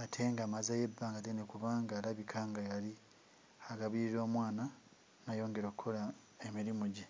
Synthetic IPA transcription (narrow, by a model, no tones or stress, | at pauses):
atʰe̞ŋɡamazaje̞bːaːŋɡatenekuβaŋɡalaβikʰaːŋɡajali | aɡaβiɾiɾo̞ːmwaːna | najo̞ːŋɡe̞ɾo̞kukʰːo̞la | emiɾimuɟe